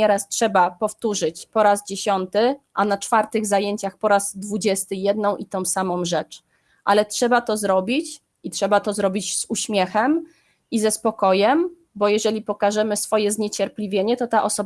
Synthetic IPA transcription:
ɛɾastʂɛbapɔft̪uʐɘt͡ɕpɔɾazd͡ʑeɕɔnt̪ɘʔanat͡ʂfaɾt̪ɘɣzajeɲt͡ɕaxpɔɾazd̪vud͡ʑɛst̪ɘjɛd̪nɔ̃w̃ʔit̪ɔ̃w̃samɔ̃w̃ʐɛt͡ʂ | ʔa̰lɛtʂɛbat̪ɔzɾɔbʲit͡ɕ | itʂɛbat̪ɔzɾɔbʲid͡ʑz̥uɕmʲjɛxɛm | izɛspɔkɔjɛm | bɔjɛʐɛlʲipɔkaʐɛmɘsfɔjɛzɲet͡ɕɛɾpʲlʲivʲjeɲɛt̪ɔt̪aʔɔsɔ

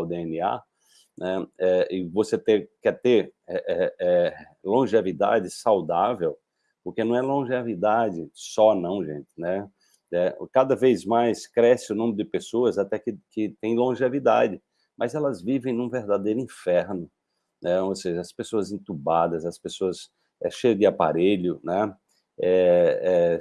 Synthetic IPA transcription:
wd̪eẽnia̰ | nɛɛɪvoset̪ekɛt̪eɾɛʔɛɛ | lõʒevid̪a̰d͡ʒɪsawd̪avew | poɾkenɐ̃w̃ɛlõʒevid̪ad͡ʒɪsɔnɐ̃w̃ʒḛ̃t͡ʃɪ̥nɛ | nɛkad̪ɐvezmajskɾɛsɪʊnõmɪɾʊd̪ɪpesoɐzat̪ɛkɪkɪt̪ẽj̃lõʒevid̪ad͡ʒɪ | mɐzɛlɐzvivẽj̃nũveɾd̪ad̪ejɾʊĩfɛɾnʊ | nɛ̃oseʒɐɐspesoɐzẽt̪ubad̪ɐzɐspesoɐs | ɛ̰ʃejʊd̪ɪapa̰ɾeʎʊnɛ | ɛɛ

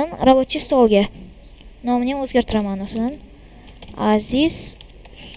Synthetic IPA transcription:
ɪnɾabot̪t͡ʃʰːist̪olˠɡʲa | nomɪnenɵzɡʲaɾt̪ʰɪɾamanosnɪn | aziz̥

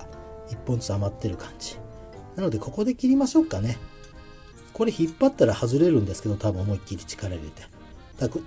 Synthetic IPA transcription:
ipːont͡sɨ̥t͡samat̪ːe̞ɾɯ̟kʰãɲ̟d͡ʑi̥ | nano̞d̪e̞ko̞ko̞d̪e̞kʲiɾʲimaɕo̞kːane̞ | ko̞ɾe̞çipːat̪ːaɾahazɨɾe̞ɾɯ̟̃nd̪e̞sɨ̥ke̞d̪o̞t̪abɯ̟̃omo̞ikʲːiɾʲi̥t͡ɕi̥kaɾeɾɯ̟it̪e | d̪̥ak

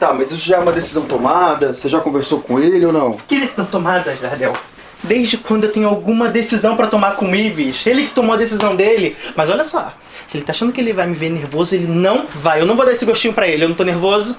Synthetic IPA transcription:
t̪amɐzisʊʒaɛumɐd̪esizɐ̃w̃t̪omad̪ɐseʒakõveɾsowkõelɪownɐ̃w̃kɪd̪esizɐ̃w̃t̪omad̪ɐʃd̪ad̪ɛw | d̪ezd͡ʒɪkwɐ̃nd̪ʊewt̪ẽɲʊawɡũmɐd̪esizɐ̃w̃pɾɐt̪omaɾkõiviʃelɪkɪ̥t̪õmoɐd̪esizɐ̃w̃d̪elɪmɐzɔlʲɐsɔ̰ | sɪelɪt̪aʃɐ̃nd̪ʊkɪelɪvajmɪveneɾvozʊelɪnɐ̃w̃vajewnɐ̃w̃vod̪aesɪɡoʃt͡ʃĩɲʊpɾɐelɪewñt̪õneɾvozʊ

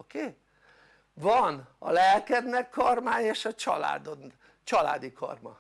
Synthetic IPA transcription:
okeː | vɒnɒ̰lɛlkɛbnɛkːɒrmaːjeːʃɒt͡ʃɒ̰la̰ːd̪on | t͡ʃɒla̰ːd̪ikʰɒ̰rmɒ̰

